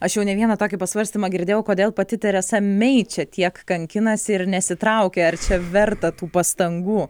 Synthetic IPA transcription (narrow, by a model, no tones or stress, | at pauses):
ɐʃjɛʊnʲɛʋʲiɛnɐt̪oːkʲɪpɐsʋɐɾʲsʲt̪ʲiːmɐɡʲɪɾʲd̪ʲeːjɛʊkoːd̪ʲeːlˠpɐt̪ʲɪt̪ɐɾʲɛsɐmʲɛɪt͡ʃʲɛt̪ʲiɛkkɐŋʲkʲɪnɐsʲɪɾnʲɛsʲɪt̪ɾɐʊkʲɛɐrt͡ʃʲɛʋʲɛrt̪ɐt̪uːpɐst̪ɐŋɡuː